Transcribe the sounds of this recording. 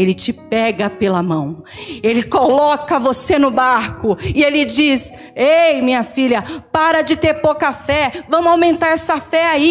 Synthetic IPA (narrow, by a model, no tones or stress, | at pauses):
elɪt͡ʃɪpɛɡɐpelɐmɐ̃w̃ | elɪkolɔkɐvosenʊbaɾkʊɪelɪd͡ʒis | ejmĩɲɐfilʲɐpaɾɐd͡ʒɪt̪eɾpowkɐfɛvɐ̃mʊawmẽnt̪aɾɛsɐfɛai